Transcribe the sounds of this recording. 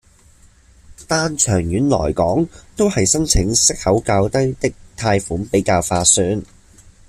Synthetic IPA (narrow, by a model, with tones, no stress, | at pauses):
t̪aː˥nt͡ʃʰœː˨˩ŋjyː˨˥nlɔ̰ː˨˩jkɔː˨˥ŋt̪o˥whɐ˨jsɐ˥nt͡sʰɪ˨˥ŋsɪ˥k̚hɐ˨˥wkaː˧wt̪ɐ˥jt̪ɪ˥k̚t̪ʰaː˧jfuː˨˥npe˨˥jkaː˧wfaː˧syː˨˥n